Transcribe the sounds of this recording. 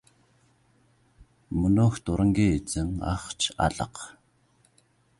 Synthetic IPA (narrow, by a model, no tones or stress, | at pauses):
mɵnoːxt̪ʊɾə̆ŋɡʲiːt͡sɘ̆ŋa̰χt͡ɕʰa̰ɮə̆q